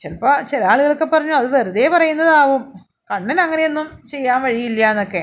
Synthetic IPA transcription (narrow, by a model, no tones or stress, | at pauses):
t͡ɕelɐpːot͡ɕelɐaːɭuɣɐɭokːepːɐrɐɲːuɐðuʋɐruðeːpɐrɐjunːɐðaːʋum | kɐɳːinɐŋːɐne̞jonːumt͡ɕe̞jːaːnʋɐɻijilːjaenːo̞kːe̞